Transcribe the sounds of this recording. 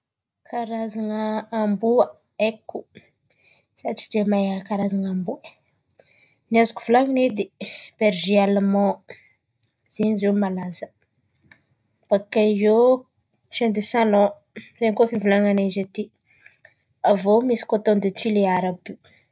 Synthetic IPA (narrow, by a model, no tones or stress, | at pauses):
kaɾazaŋəambuə | eku | saʈ͡ʂi̥d̪emajakaɾazaŋambuə | niazuku̥vulaŋined̪ib̥eɾʒialmɔ̃ | z̥enizewmalazə̥ | b̥akao | ʃend̪esalɔ̃ | zeŋkofivulaŋanazet̪i | avomisi̥kot̪õnd̪etileaɾabi